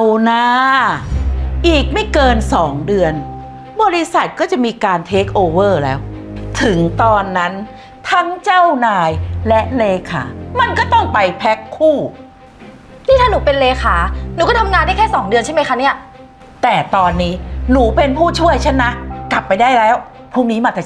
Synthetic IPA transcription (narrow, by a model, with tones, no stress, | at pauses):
wnaː˦˥ | ʔiː˨˩k̚ma˥˩jkɤː˧nsɔː˩˦ŋdɯ˧ən | bɔː˧ɾi˦˥sa˨˩t̪̚kɔː˥˩t͡ɕa˨˩miː˧kaː˧nt̪ʰeː˦˥k̚ʔoː˧wɤː˥˩lɛ̰ː˦˥wt̪ʰɯ˩˦ŋt̪ɔː˧nːa˦˥n | t̪ʰa˦˥ŋt͡ɕa˥˩wnaː˧jlɛ˦˥ʔleː˧kʰa̰ː˩˦ma˧nkɔː˥˩t̪ɔ˥˩ŋpa˧jpʰɛ˦˥kʰːuː˥˩ | nʰiː˥˩t̪aː˥˩nuː˩˦pe˧nleː˧kʰaː˩˦nuː˨˦kɔː˥˩t̪ʰa˧mŋaː˧nda˥˩kʰːsɔː˩˦ŋdɯ˧ənt͡ɕʰa˥˩jma˦˥jkʰa˦˥ni˥˩ɐ | t̪ɛː˨˩t̪ɔː˧nːiː˦˥nuː˩˦pe˧npʰuː˥˩t͡ɕʰu˥˩əjt͡ɕʰa˦˥˩nːa˦˥kla˨˩pːa˧jdaː˥˩jlɛː˦˥w | pʰuː˥˩ŋniː˦˥maː˧t̪ɛː˨˩